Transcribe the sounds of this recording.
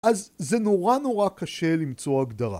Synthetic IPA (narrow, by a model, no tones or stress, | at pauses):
ʔazze̞noʁanoʁakaʃe̞limt͡so̞aɡdaʁa̰